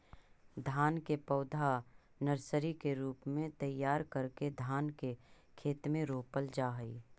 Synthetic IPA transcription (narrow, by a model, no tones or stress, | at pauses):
d̪ʱaːnkepɐːd̪ʱa | nəɾsəɾikeɾuːpmẽt̪ɐjːaːɾkəɾked̪ʱaːnke | kʰeːt̪mẽɾoːpəld͡ʒaːɦəḭː